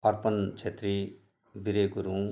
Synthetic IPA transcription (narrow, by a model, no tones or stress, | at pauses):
ʌrpʌnt͡sʰet̪ri | biɾekuɾũ